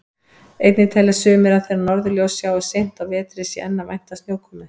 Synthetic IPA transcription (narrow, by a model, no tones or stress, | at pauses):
ejt̪nɪt̪ʰajlasʏːmɪɾaθeɾanɔɾðʏljowsjaːwɛsejn̥t̪awvɛːt̪ɾɪsjɛʔɛnːavajn̥t̪asnjoːwkʰɔːmɪ